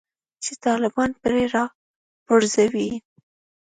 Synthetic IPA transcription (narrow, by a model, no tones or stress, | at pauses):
t͡ʃet̪ɑlɪbɑnpɾeɾɑ | pʊɾzawi